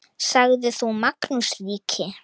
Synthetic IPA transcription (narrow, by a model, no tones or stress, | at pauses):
saɣðɪθumaknusliːcʰɪ